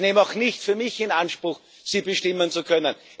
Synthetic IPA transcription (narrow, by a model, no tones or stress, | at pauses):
neːmaʊxnɪçtfyːɐmɪçɪnanʃpʁ̥ʊx | siːbəʃtɪmənt͡sukʰœnən